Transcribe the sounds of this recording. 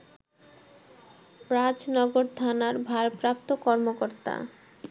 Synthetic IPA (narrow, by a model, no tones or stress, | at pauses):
ɾad͡ʑnɔɡoɾt̪ʰanaɾbʱaɾpɾap̚t̪okɔɾmokoɾt̪a̰